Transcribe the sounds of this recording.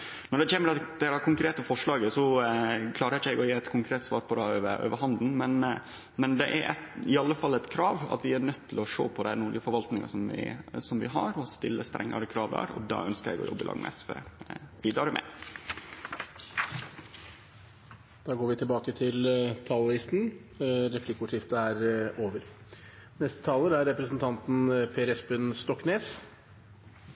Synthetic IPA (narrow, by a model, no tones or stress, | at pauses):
nɔɖɛçeːməɾɑt̪d̪ɛɾɑkʰʊŋkɾeːt̪əfɔʂɭɑːɡəsɔkʰlɑːɾəɾɪçəɛɪɡɔjeːɛt̪kʰʊŋkʰɾeːt̪sʋɑ̰ːɾpʰɔd̪ɛøːʋəɾø̰ːʋəɾɦɑnd̪n̩mɛn | mɛnd̪ɛʔæ̰ɾʔɛ̰ɪɑlːəfɑlːɛt̪kʰɾɑːʋɑ̰t̪ʋɪæɾɳœt̪ʰːɪlɔʂo̰ːpʰɔd̪ænuːɾɡɪəfɔɾʋɑlt̪nɪŋɑ̰sɔmʋɪ̰sɔmʋɪɦɑɾɔst̪ɪlːəst̪ɾɛ̰ŋːɑɾəkʰɾɑːʋd̪æ̰ːɾɔ̰d̪ɑ̰ːœnskəɾɛ̰ɡɔ̰jɔ̰bːəlʔɑ̰ːŋmɛsfḛʋiːd̪ɾɑɾəmʔɛ̰ | d̪̥ɑːɡoːɾʋɪt̪ʰɪlbɑːkət̪ʰɪlt̪ʰɑːlɪst̪n̩ɾɛflɪkʊʂɪft̪əæɾoːʋəɾnɛst̪ə̥t̪ʰɑːləɾæɾɾɛpɾəsənt̪ʰɑnt̪n̩pʰeːɾɛsbʉnst̪ɔkːneːs